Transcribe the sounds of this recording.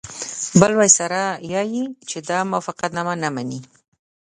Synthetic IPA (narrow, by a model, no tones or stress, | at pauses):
bəlwajsaɾajɑjit͡ʃed̪ɑmafaqat̪namanamani